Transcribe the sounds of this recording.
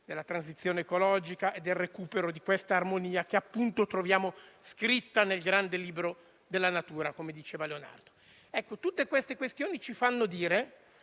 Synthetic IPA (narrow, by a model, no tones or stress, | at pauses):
d̪elːat̪ɾansit̪sːjoːneːkolɔːd͡ʒikaʔed̪ːelrekuːpeɾod̪ikwest̪aːrmoniːak̟eapːunt̪ot̪ɾovjaːmoskɾit̪ːanelɡɾand̪eliːbɾo | d̪elːanat̪uːɾakomed̪it͡ʃeːvaleona̰rd̪o | ɛkːot̪ut̪ːekwest̪ekwest̪joːnit͡ʃifanːod̪iːɾe